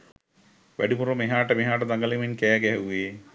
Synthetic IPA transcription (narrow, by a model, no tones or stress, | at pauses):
ʋʔæ̰ɖipuɾomeɦaːʈəmeɦaːʈ̬əd̪aŋɡɐliminkɛːɡɛɦɛuʋeː